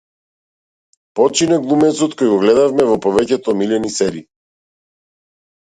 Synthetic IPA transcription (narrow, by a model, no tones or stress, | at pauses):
pɔt͡ʃinɛɡlˠumɛt̪sɔt̪kɔjɡɔɡlɛd̪avmɛvɔpɔvɛcɛt̪ɔːmilɛnisɛɾi